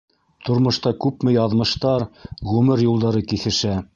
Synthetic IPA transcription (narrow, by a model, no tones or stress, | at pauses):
t̪ŏɾmŏʃt̪ɑkʉpmɘjɑðmɤ̆ʃt̪ɑɾʁʉmɘɾjulˠd̪ɑɾɤkiθɘ̆ʃæ